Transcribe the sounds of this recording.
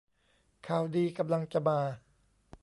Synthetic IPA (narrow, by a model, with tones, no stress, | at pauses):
kʰaː˨˩wdiː˧ka˧mla˧ŋt͡ɕa˧˩maː˧